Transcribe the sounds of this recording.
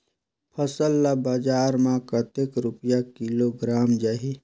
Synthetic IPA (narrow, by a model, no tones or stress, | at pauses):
pʰəsəlːabad͡ʒaːɾmãkət̪ekɾʊpjakiloɡɾaːmd͡ʒaːɦi